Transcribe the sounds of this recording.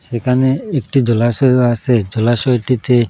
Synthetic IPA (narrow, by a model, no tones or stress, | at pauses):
sekʰaneek̚ʈid͡ʑɔlasɔjased͡ʒolaʃɔjʈit̪e